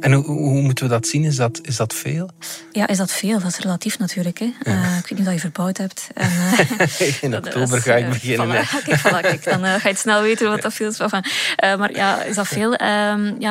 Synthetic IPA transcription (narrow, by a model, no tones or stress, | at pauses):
ɛnuɦumutənʋədɑtsinɪzdɑtɪzdɑtfeːlˠjaːʔɪzdɑtfeːlˠvɑsrəlatifnɑtʰyːrləkɛəɪkʋeːtnifdɑljəvərbœwthɛp̚tɛnəːɪnɔktoːbərɣaːɪbəɣɪnənfɑlɑkɪkd̥ɑnəxaːɪtsnɛlˠʋeːtənʋɑdɑtfiːlˠɪsɛfɑnəːmarjaːɪ̰zdɑtfeːlˠəːmja